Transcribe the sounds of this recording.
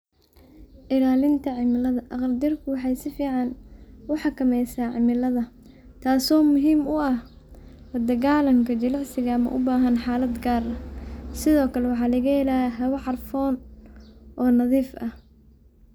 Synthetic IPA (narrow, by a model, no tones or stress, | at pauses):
ʔɪlaːlɪnt̪ʰɐʕɪmɪlɐðɐʔɐqrd̪ɪrkʰʊwɑħɑjsɪfiːʕɑnʊħɑkʰɐmɛjsaːʕɪmɪlɐðɐ | t̪ʰaːsɔːmʊɦiːmʊɐh | lɐd̪ɐɣaːlɐŋkʰɐt͡ʃɐlɑʕsɪɣɐɐmɐ̰ʔʊbaːɦɐnħɑːlɐd̪ɡaːrɐsɪðɔːkʰɐlɛwɑħɑːlɐɣɐɛlaːjɐɦɐwɐʕɑrfɔːn | ʔɔːnɐðiːfɐh